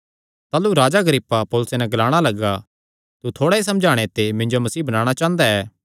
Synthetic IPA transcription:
t̪aːluɾaːd͡ʒaɡəɾiːpːapɔːlʊsenɛɡɐlaːɽ̃alɐɡːa | t̪ut̪ʰoːɽais̬ɐmd͡ʒʱaːɽ̃et̪emɪ̃ɲd͡ʒomɐsiːbɐnaːɽ̃at͡ʃãːnd̪aɛː

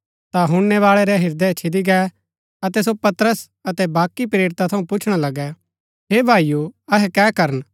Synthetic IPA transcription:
t̪aɦʊnːɛʋaːɭɛɾɛɦɪɾd̪ɛt͡ʃʰɪd̪iɡɛ | ɐt̪ɛsopɐt̪əɾəs | ɐt̪ɛbaːkːipɾeːɾɪt̪at̪ʰɐũpʊt͡ʃʰɽ̃alɐɡɛ | ɦeːbʱaːijuɐɦɛkɛːkɐɾən

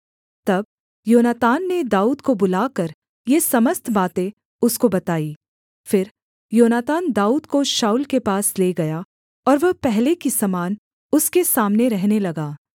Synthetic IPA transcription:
t̪ɐb̚ | joːnat̪aːnːed̪aːuːd̪kobʊlaːkɐɾ | jesɐməst̪ʰbaːt̪ẽ | ʊskobɐt̪aːiː | fɪɾ | joːnaːt̪aːnd̪aːuːd̪koʃaːuːlkepaːsleːɡɐja | ɔːɾʋɐpɛɦlekisɐmaːn | ʊskesaːmneɾɛɦnelɐɡaː

